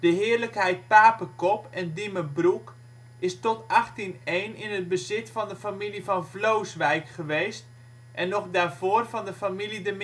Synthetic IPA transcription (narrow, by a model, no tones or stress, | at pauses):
d̥əɦɪːərləkɦɛjt̚paːpəkɔpɛndiməbruk | ɪstɔtɑχtinejnɪnəd̚bəzɪtfɑndəfamilivɑnvlowsʋɛjkχəʋejst | ʔɛnːɔχdaːrvoːrvɑndəfamilidəm